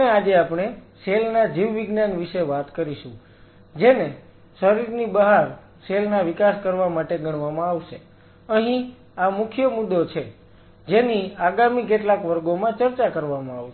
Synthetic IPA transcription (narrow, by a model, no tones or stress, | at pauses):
ead͡ʒeapɽ̃eselnad͡ʒiʋːiɡnanʋiʃeʋat̪kəɾiʃṵ̃ | d͡ʒene | səɾiɾnibəɦaɾ | selnaʋikaskəɾʋamaʈeɡʱəɽ̃ʋamãaʋʃe | əɦĩ | amʊkʰjəmʊd̪ːot͡ʃʰe | d͡ʒeniaɡamik̬eʈlakʋəɾɡomãt͡ʃəɾt͡ʃakəɾʋamãaʋʃ